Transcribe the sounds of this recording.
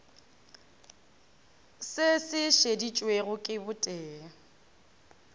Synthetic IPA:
sɪsɪʃedit͡ʃʼweɣʊkʼɪbʊtʼɛː

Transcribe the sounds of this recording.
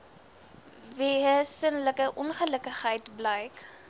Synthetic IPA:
viːɦəsənləkəʔɔnχələkəχɦəjtbləjk

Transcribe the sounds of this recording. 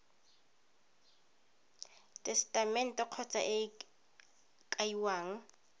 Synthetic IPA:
tʼɛstʼamɛn̩tʼɔq͡χʰɔt͡sʼa̰ʔɪ | kʼaiwaːŋ̩

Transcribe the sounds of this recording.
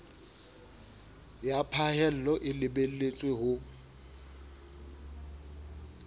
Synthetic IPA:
japʰaɦɛl̩lɔʔɪlɪbelet͡sʼweɦʊ

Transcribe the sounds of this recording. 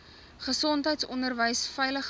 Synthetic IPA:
χəsɔntɦəjtsɔndərvəjsfɛjləχ

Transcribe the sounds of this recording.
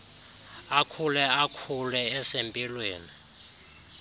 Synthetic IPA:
akʰulɛakʰulɛɛsempʼilweːni

